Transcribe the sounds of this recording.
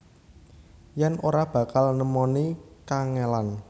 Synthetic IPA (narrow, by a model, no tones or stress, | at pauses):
jɛnoɾab̥ä̤kalnəmɔnikaŋelan